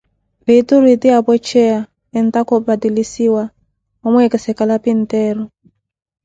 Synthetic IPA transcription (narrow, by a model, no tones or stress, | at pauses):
bituɾitiabɔt͡ʃʰɛa | ɛntakɔbadilisiwa | ɔmuɛkɛsɛkalapin̩tɛːɾɔ